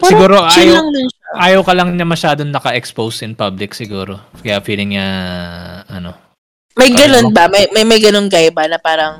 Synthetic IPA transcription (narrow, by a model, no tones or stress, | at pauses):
sɪɡuːɾoʔʃaːjlɐŋlɐnʃaʔaːjɐwkɐlɐŋɲɐmɐʃaːd̪oŋnɐkɐʔɛkspowsɪnpablɪksɪɡuːɾo̞kɐjafiːlɪŋɲɐ | ʔɐno̞ | mɐjɡɐnonbɐmɐjmɐjmɐjɡɐnonɡajbɐnɐpaːɾɐŋ